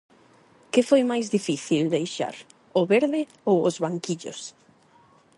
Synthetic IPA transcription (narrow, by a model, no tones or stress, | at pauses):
kɪfojmajzðifiθild̪ejʃa̰ɾ | ʊβeɾðɪ | owʊzβaŋkiʎʊ̰s